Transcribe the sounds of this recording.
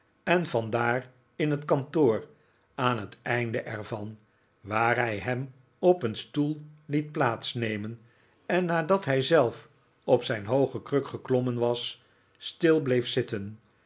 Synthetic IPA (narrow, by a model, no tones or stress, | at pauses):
ɛnvɑndaːr | ɪnɦətkɑntoːr | aːnɦətɛjndəʔɛɹvɑn | ʋaːrɦɛjɦɛm | ɔpənstulˠlit̚plaːtsnejmən | ɛnːaːdɑtɦɛjzɛlˠf | ɔpsɛjnɦowχəkrøkχəklɔmənʋɑsː | tɪlˠblejfsɪtən